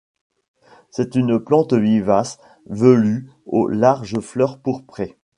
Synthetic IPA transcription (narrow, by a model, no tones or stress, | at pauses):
sɛt̪ynplɑ̃t̪vivas | vəly | o̰laʁʒəflœʁpuʁpχɛ